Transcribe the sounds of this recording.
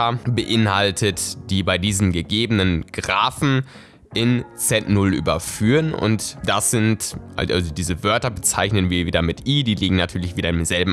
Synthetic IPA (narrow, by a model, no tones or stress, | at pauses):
ɐbəʔɪnhaltʰətd̥iːbaɪdiːzn̩ɡəɡeːbənənɡ̥ʁaːfn̩ | ʔɪnt͡sɛtnʊlʔy̰ːbɐfyːʁənʊ̰ntd̥asz̥ɪntʔʔa̰ʔa̰lzodiːzəvœɐtɐbət͡sa̰ɪçnənviːɐviːdɐmɪtʔiːdiːliːɡŋ̩natʰyːɐlɪçv̥iːɾɐɪnmzɛlbm̩